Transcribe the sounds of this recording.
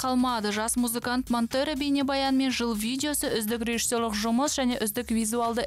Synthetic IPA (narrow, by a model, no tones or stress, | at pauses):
qʰɑlˠmɑd̪əʒɑsmuzɨkɑnt̪mont̪øɾəbejnebɑjɑnme̞nʒəlˠvʲijdʲeo̞səʏzd̪ɪkrʲe̞ʒi̥sːo̞ɾlˠəqʒʊməsʒ̥æne̞ʔʏzd̪ɪkvʲijzualˠd̪ə